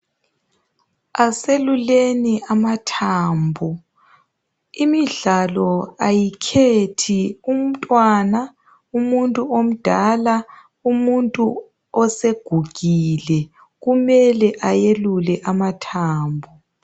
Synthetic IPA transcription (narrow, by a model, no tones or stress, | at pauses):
aseluleniamatʰaːmbʱu | imiɮalɔajikʰetʰium̩tʼwana | umuntʼuom̩d̥ʱala | umuntʼu | ɔseɡ̥ʱuɣilɛ | ɣumɛlɛʔajelulɛʔamatʰaːmbʱu